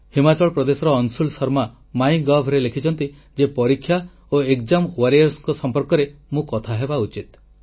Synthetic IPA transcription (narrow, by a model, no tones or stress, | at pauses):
himat͡ʃɔɭɔpɾɔd̪esɔɾɔːnsulsɔɾma | maj̃ɡɔbʱɾelekʰit͡ʃʰɔnt̪i | d͡ʒepɔɾikʰːja | oekd͡ʒamwaɾijɔɾsŋkɔsɔmpɔɾkɔɾemũkɔt̪ʰaɦebaut͡ʃit̪̚